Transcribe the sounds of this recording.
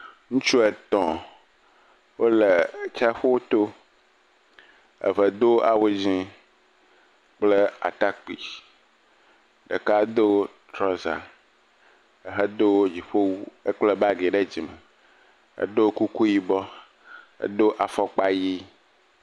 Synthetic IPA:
ŋũ˦t͡ʃu˦ɛ˨t̪ɔ̃˨ | wo˦le˨t͡ʃa˦ɸo˦wo˦t̪o˦ | ɛ̰˨və˨d̪o˦a̰˨wo˦d͡ʑĩ˦ | k͡ple˦a̰˨t̪a˦k͡pḭ˨ | ɖə̰˨ka˦d̪o˦ | t̪ɾɔ˦za̰˨ | e˨ɦə˦d̪o˦wd͡ʑi˨ɸo˦wu˦e˦k͡ple˦ba˦ɡe˨ɖe˦d͡ʑi˨me˨ | ḛ˨ɖo˦ku˦ku˦ji˨bɔ˦ | ḛ˨ɖ̪o˦ʔa˨fɔ˦k͡pa˦ji˦

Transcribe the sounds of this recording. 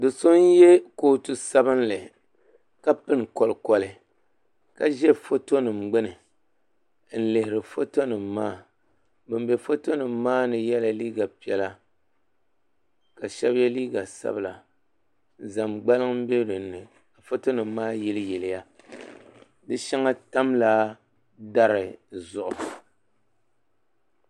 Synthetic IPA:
dɨ˨so˦njɛ˦ko˦tu˦sa˦bɨ˦nlɨ˨ | ka˦pɨ˦nkɔ˨lkɔ˨lɨ˨ | ka˦ʒɛ˦fo˦to˦nɨ˨mɡ͡bɨ˦nɨ˨ | n̩˦lɨ˨hɪ˨ɾɨ˨fo˦to˦nɨ˨mːaː˦˨ | bɨ˨mbe˨fo˦to˦nɨ˨m̩ː˦aː˦nɨ˨jɛ˦la˨liː˦ɡa˨pi˨ɛ˨˦la˦ | ka˨ʃɛ˦bjɛ˦liː˦ɡa˨sa̰˦bɨ˨la˨ | za˨mɡ͡ba˦lɨ˦ŋ˦m̩˦be˦ɾɨ˨n̩ːɨ˨ | ka˨fo˦to˦nɨ˨mː˦aː˦jɛ˦lɨ˦jɛ˨lɪ˨ja˦ | dɨ˦ʃɛ˦ŋa˦ta˦mla˦ | da˦ɾɨ˨zʊ˨ʔʊ˨

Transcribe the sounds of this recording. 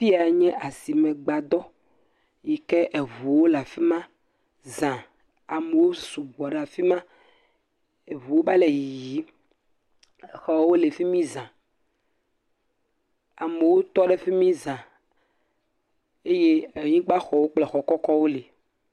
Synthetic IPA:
fi˦a˨˦ɲɛ̃˦ʔa˨si˨mɛ̃˨ɡ͡ba˨d̪ɔ˦ | ji˨kɛ˦ʔe˨vu˨wo˦la˨fi˦mã˦ | zã˨ | a˨me˨wo˦su˨ɡ͡bɔ˨ɖe˦˨a˨fi˦mã˦ | e˨vu˨wo˦ba˦le˨ji˨ji˦˨ | xɔ˨wo˦le˨fi˦mĩ˦zã˨ | a˨me˨wo˦t̪ɔ˦ɖɛ˦fi˦mĩ˦zã˨ | e˦je˦e˨ɲĩ˦ɡ͡ba˦xɔ˨wo˦k͡plɛ˨xɔ˨kɔ˦kɔ˦wo˦le˨

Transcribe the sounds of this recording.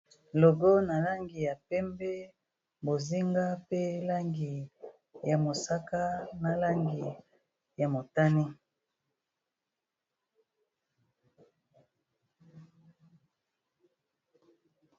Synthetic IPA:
lo˨ɡo˦na˨la˦ŋɡi˨ja˨pɛ˦mbɛ˦ | bo˨zi˦ŋɡa˦pe˦la˦ŋɡi˨ | ja˨mo˨sa˦ka˦na˨la˦ŋɡi˨ | ja˨mo˨ta˦ni˦

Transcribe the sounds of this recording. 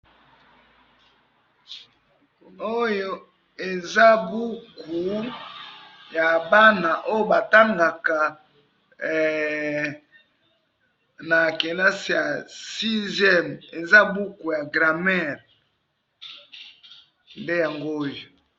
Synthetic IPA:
o˦jo˦ | e˨za˦bu˦ku˨ | ja˨ba˦na˨ʔo˦jo˦˨ba˨ta˦ŋɡa˨ka˨ | na˨ke˨la˦si˨ja˨si˦zjɛ˦˨me˨za˦bu˦ku˨ja˨ɡʁa˨mɛ˦˨ʁ | nde˦ja˨ŋɡo˦o˦jo˨

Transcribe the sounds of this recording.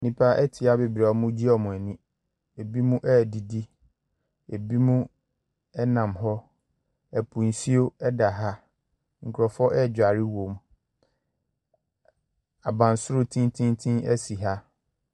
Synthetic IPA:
nĩ˨pʰa˦ʔɛ˦tʰɪ˨a˦be˨bɾa˨ɔ˦mũ˦d͡ʑi˦ɔ˨mʊ̃˨æ˨nĩ˦ | e˨bi˦mũ˦ʔɛ˦˨di˨di˦ | e˨bi˦mũ˦ | ɛ˦nã˨mɦɔ˦ | ɛ˨pʰũ˨n˨si˦o˦ɛ˦da˨ɦa˦ | ŋ̩˨kʰʊ˨ɾɔ˨fɔ˦ʔɛ˦˨d͡ʑᶣa˨ɾɪ˦wõ˨m | a˨bã˨n˨sʊ˦ɾʊ˨tʰĩ˦ntʰĩ˦ntʰĩ˦nɛ̰˦si˨ɦa˦

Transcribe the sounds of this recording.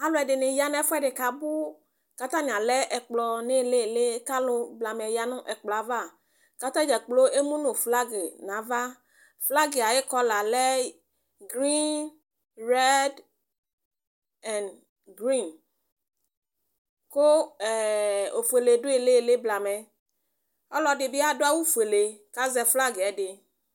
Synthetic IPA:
a˨lo˦ɛ˨ɖe˨nẽ˨ja˨nɛ̃˦fɛ˦ɖe˨ka˨bu˦ | ka˦t̪ã˦nĩ˨a˨lɛ˦ʔɛ˨k͡plɔ˨ne˦˨le˦˨le˦ka˦lo˦bla˨mɛ˨ja˨nũ˦ʔɛ˨k͡plɔ˨a˨va˦˨ | ka˦t̪ã˦d͡ʒɛ˨k͡plo˦ʔe˦mũ˦nõ˨fla˦ɡe˨nã˨˦va˦ | fla˦ɡe˨a˨je˦kɔ˦la˨lɛ˦ | ɡɾi˦n | ɾɛ˦d | ɛ˨n | ɡɾi˦˨n | ko˦˨ | o˨fu˨e˨le˨ɖo˦e˨le˦˨le˦bla˨mɛ̃˨ | ɔ˦lɔ˨ɖe˨bi˦a˨ɖo˦a˦wu˦fu˨e˨le˨ka˦zɛ˨fla˦ɡe˨ɛ˦ɖe˨

